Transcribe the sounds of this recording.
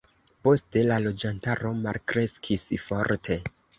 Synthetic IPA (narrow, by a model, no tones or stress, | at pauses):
po̞ste̞lalo̞d͡ʒantaɾo̞malkɾe̞skʰisfo̞ɾtʰe̞